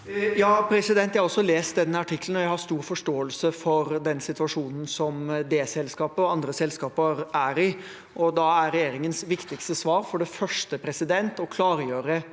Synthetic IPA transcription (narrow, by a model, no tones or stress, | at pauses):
jɑːpʰɾɛsɪd̪ɛnt̪ːjæhɑɔsːɔleːst̪̚d̪ɛnːəɑʈʰɪkːln̩ɔjæɪhɑɾst̪uːɾfɔʂʈoːəlsəfɔɾd̪ɛnsɪt̪ʉɑʂuːnn̩sɔmd̪eːsɛlskɑːpəɔɑnd̪ɾəsɛlskɑːpəɾʔæɾɪ | ʔɔd̪ɑæɾːɛjeːɾɪŋənsʋɪkt̪ɪkst̪əsʋɑːɾfɔɖɛfœʂʈəpʰɾɛsɪd̪ɛnt̪ɔkʰlɑːɾjøːɾə